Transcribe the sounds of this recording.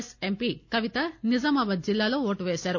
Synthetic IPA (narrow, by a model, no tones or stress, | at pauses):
sempiːkɐʋit̪ɐnizɐmɐʋɐd͡ʒilːaːlo̞ːoːʈuʋeːsaːɾu